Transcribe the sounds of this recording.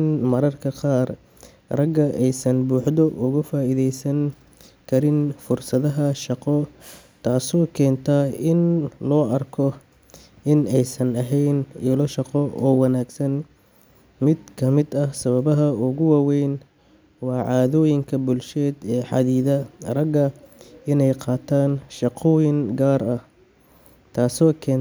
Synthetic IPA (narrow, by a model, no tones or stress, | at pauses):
nmɐɾɐrkʰɐqɑːr | rɐɡːɐʔɛjsɐnbuːħd̪ɔʔʊɣʊfaːiðɛjsɐŋ | kʰɐɾɪnfʊrsɐðɐɦɐʃɑqɔ | t̪ʰaːsɔːkʰɛːnt̪ʰɐɪnlɔːɐrkʰɔ | ɪnɛjsɐnɐɦɛjnɛːlɔʃɑqɔʔɔːwɑnaːɡsɐn | mɪd̪kʰɐmɪd̪ɐhsɐβɐβɐɦɐʊɣʊwɑːwɛjn | wɑːʕɑːðɔːjɪŋkʰɐbʊlʃɛːd̪ɛːħɑ̰ðiːðɐrɐɡɐɪnɛjqɑːt̪ʰaːnʃɑqɔːjɪŋɡaːrɐh | t̪ʰaːsɔːkʰɛːn